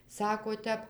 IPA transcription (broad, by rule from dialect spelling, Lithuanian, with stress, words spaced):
ˈsɑːkoː ˈtʲɛp